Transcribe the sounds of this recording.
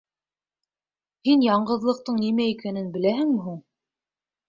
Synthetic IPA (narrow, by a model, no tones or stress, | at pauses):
hinjɑɴɢɤ̆ðlˠɤ̆q̚t̪ɤɴnimæikænɘnbɘ̆læɦɘ̆ŋmɘ̆ɦuɴ